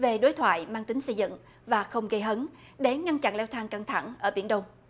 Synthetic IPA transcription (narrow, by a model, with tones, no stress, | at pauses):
ve˨˩ɗo˨˦jt̪ʰwa̰ː˧˨jmaː˧ŋt̪ï˨˦ŋ̟sə˧jzɨ̰˧˨ŋ | vaː˨˩xə˧wŋ͡mɣə˧jɦə˨˦n | ɗe˨˦ŋa˧nt͡ɕa̰˧˨nlɛ˧wt̪ʰaː˧ŋka˧ŋt̪ʰa̰˧˩ŋʔəː˧˩ɓi˧˩ənɗə˧wŋ͡m